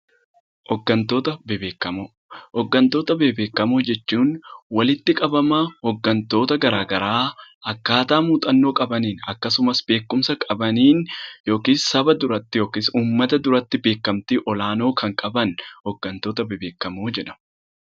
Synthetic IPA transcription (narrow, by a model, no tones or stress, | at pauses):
hɔɡːɐnt̪o̞ːt̪ɐbbeːkːɐm | ɔɡːɐnt̪o̞ːt̪ɐbe̞ːbe̞ːkːɐmoːd͡ʒɛt͡ʃːuːnwɐlɪt̪ːɪkʼɐbɐmɐhɔɡːɐnt̪o̞ːt̪ɐɡɐɾaːɡɐɾaːɐkːaːt̪aːmuːt̪ʼɐnːo̞ːkʼɐbɐniːnɐkːɐsʊmɐsbe̞ːkːʊmsɐkʼɐbɐniːnjo̞ːkiːssɐbɐd̪ʊɾɐt̪ːɪjo̞ːkisuːmːɐt̪ɐd̪ʊɾɐt̪ːɪbe̞ːkːɐmt̪ɪʔɔlaːno̞ːkɐŋkʼɐbɐnhɔɡːɐnt̪o̞ːt̪ɐbɪbe̞ːkːɐmoːd͡ʒɛᶑɐ̥m